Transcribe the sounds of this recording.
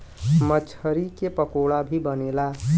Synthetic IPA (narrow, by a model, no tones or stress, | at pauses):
mət͡ʃʰəɾikepəkoɽabʱibənela